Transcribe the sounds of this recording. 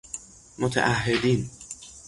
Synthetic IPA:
mot̪ʰæ̰ʔahːed̪in

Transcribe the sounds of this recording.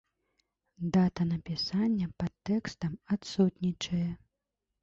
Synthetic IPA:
d̪at̪ɐnɐpʲisanʲːɐpɐt̪ːɛkst̪ɐmat̪sut̪ʲnʲit͡ʂɐjɛ

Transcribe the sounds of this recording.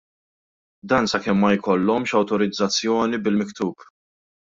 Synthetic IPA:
d̪ɐːnsɐkɛmːɐjkɔlːɔmʃɐwt̪ɔɾɪd͡zːɐt͡sːjɔːnibɪlmɪkt̪uːp

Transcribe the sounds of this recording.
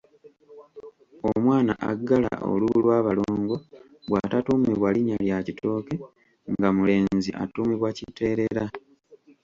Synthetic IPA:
omwaːna̰ʔa̰ɡːala̰ʔo̰luβulwaːβaloːŋɡo̞ | βwaːtatumiβwaliɲaljacitʰo̞ːke | ŋɡamule̞ːziʔa̰tumiβwacite̞ːɾe̞ɾa

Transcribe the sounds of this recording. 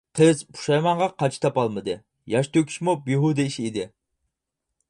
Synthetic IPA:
qʰəzbu̥ʃɑjmɑɴʁɑqʰɑt͡ʃʰi̥t̪ʰɑpɑlˠmɨd̪ɨ | jɑʃt̪ʰøkʲʰi̥ʃmubiɦud̪ɪiʃid̪ɪ

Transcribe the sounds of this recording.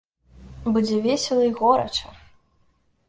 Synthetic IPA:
bud͡zʲɛvʲesʲɐlˠɐiɣɔɾɐ̰t͡ʂɐ

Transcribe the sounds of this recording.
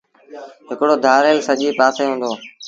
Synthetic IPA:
ɦɪkɽoːd̪ʱaːɾeːlsəʄiːpaːseːɦʊ̃ːnd̪oː

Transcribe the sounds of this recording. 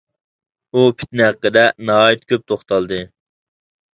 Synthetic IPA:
upʰi̥t̪nɪɦæqːəd̪ɛnɑɦɑːjit̪kʲʰøp̚t̪ʰoχt̪ʰɑlˠd̪ɨ

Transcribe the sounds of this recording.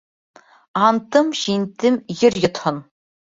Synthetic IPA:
ɑntʰɨmʃintʰɨmjɪrjɪt̪ʰχən

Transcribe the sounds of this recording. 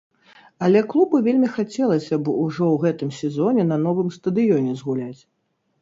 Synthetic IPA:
ɐlʲɛklˠubɨvʲelʲmʲixat͡sʲɛlˠɐsʲɐbɔuʐɔwɣɛt̪ɨmsʲɛzɔnʲɛnɐnɔvɨmst̪ɐd̪ɨjɔnʲɛzɣulʲat͡sʲ

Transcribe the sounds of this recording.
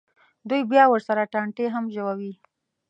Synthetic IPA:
d̪ujbjɑwəɾsaɾaʈaɳʈeɦamʒəwawi

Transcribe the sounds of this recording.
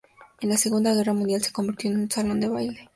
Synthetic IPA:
enaseɣund̪aɣ̞e̞ramund̪ialt͡sekːo̞mbiɾt̪inunt͡salond̪eβajle

